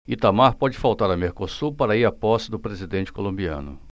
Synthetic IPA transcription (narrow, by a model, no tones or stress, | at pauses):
it̪amaɾpɔd͡ʒɪfawt̪aɾɐmeɾkosupaɾɐiɾapɔsɪd̪ʊpɾezid̪ẽnt͡ʃɪ̥kolõbiɐ̰̃nʊ̰